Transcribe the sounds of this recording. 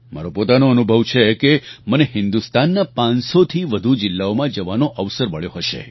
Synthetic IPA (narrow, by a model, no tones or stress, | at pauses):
ma̰ɾopot̪anoənubʱəʋt͡ʃʰekeməneɦɪ̃nd̪ust̪anːapãnsot̪ʰiʋəd̪ʱud͡ʒɪlːaomãd͡ʒəʋanoʔəʋsəɾməɭjoɦəʃḛ